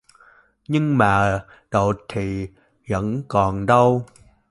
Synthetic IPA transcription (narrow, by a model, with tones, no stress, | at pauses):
ɲɨ˧ŋmaː˨˩ | ɗo˨˩t̚t̪ʰi˨˩ | və̰˧˥nkɔ˨˩nɗə˧w